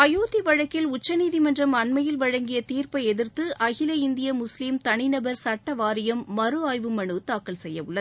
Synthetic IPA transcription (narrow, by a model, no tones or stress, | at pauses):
ɐjoːt̪iʋɐɻɐkːɪlʊt͡ʃːɐniːðimɐndrɐmɐnmɐjɪlʋɐɻɐŋɡɪjɐt̪iːrpɐɪɛðɪɾt̪ɯʔɐɣɪlɐɪnd̪ɪjɐmʊslimt̪ɐɳɪnɐbɐɾsɐʈːɐʋaːɾɪjɐmːɐɾɯaːjʋɯmɐɳɯt̪aːkːɐlsɛjːɐʋɯɭːɐð